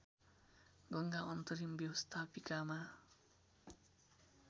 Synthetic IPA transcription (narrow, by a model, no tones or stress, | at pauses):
ɡʌŋɡaʌnt̪ʌɾimbjʌwʌst̪ʰapikama